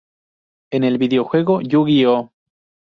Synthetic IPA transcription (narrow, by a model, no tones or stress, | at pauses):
e̞ne̞lβiðeoxwe̞ɣoʝuɣio